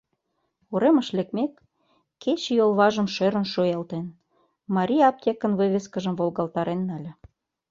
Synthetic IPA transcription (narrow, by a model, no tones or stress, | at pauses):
uɾeməʃlekmekː | et͡ɕjolˠβɑʒə̆mʃøɾə̆nʃojɑlt̪en | mɑɾʲiɑp̚t̪ʲekə̆nβɨβʲeskə̆ʒəmvolˠɣɑlt̪ɑɾenːɑlʲĕ